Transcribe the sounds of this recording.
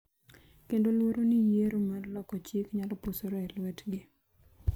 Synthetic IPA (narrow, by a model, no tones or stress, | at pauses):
kendolwoɾonɪjeɾomarlɔkɔt͡ʃikɲalɔpusoɾoɛlwɛtɡɪ